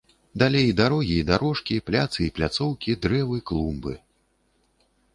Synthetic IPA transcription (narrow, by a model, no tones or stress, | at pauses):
d̪alʲejd̪aɾɔɣʲiːd̪aɾɔʂkʲiplʲat̪sɨiplʲat̪sɔwkʲid̪ɾɛvɨklˠumbɨ̰